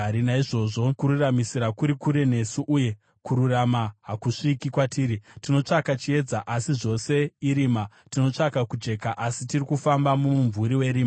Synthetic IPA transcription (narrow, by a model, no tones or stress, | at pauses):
aɾinaiʐo̞ʐo̞kuɾuramisiɾakuɾikuɾe̞ne̞suʔuje̞ | kuɾuramaɦakuʂikikwatiːɾitino̞t͡ʂakat͡ʃie̞d͡zaʔasiʐo̞se̞iɾiːma | tino̞t͡ʂakakud͡ʒe̞kaʔasitirikufambamumuɱvuɾiwe̞ɾiːma